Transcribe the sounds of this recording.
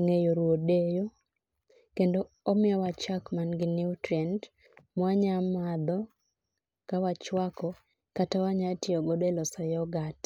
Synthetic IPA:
ŋejoɾwodejo | kendo | omɪɔwat͡ʃakmanɡɪnɪutɾɛnd | mwaɲamad̪ɔ | kawat͡ʃwakɔ | katawaɲatɪɔɡɔdelɔsajɔɡat

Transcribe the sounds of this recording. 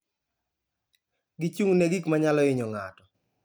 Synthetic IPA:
ɡit͡ʃuŋneɡikmaɲalɔɪɲɔŋa̰tɔ

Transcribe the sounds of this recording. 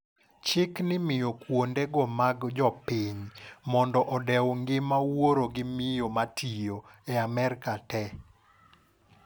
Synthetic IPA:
t͡ʃɪknɪmɪjokwondeɡɔmaɡd͡ʒɔpɪɲmɔndɔʔɔdɛwŋɡɪmawoɾoɡɪmɪjomatʰijoɛamɛɾkatɛ

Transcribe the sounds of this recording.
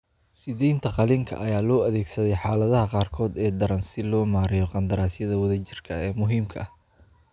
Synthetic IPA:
sɪðɛjnt̪ʰɐqɑliŋkʰɐ̰ʔɐjaːlɔːɐðɛːɡsɐðɛjħaːlɐðɐɦɐqɑːrkʰɔːd̪ɛːd̪ɐɾɐnsɪlɔːmaːɾɪjɔqɑnd̪ɐɾaːsjɐðɐwɐðɐt͡ʃɪrkʰɐɛːmʊɦiːmkʰɐ̰h

